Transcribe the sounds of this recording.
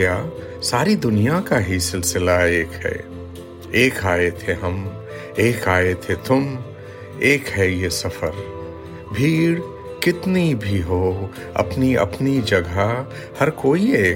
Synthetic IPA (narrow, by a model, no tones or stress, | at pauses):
jaː | saːɾid̪ʊnijakaɦisɪlsɪlaeːkɦɛ̰ | eːkaːet̪ʰeɦɐm | eːkaːet̪ʰet̪ʊm | eːkɦɛjesɐfəɾ | bʱiːɽ | kɪt̪nibʱiɦoː | ɐ̰pniɐ̰pnid͡ʒɐɡʱa | həɾkoːie